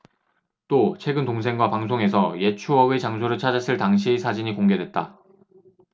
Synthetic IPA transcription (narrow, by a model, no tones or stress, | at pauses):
t͈ot͡ɕʰwe̞ɡɯntoŋsʰe̞ŋɡwapaŋs̬ʰoŋe̞sʰʌje̞t͡ɕʰuʌɡet͡ɕaŋsʰoɾɯɭt͡ɕʰad͡ʑas͈ʰɯɭtaŋɕʰisʰad͡ʑiɲikoŋɡe̞dwe̞t̚t͈a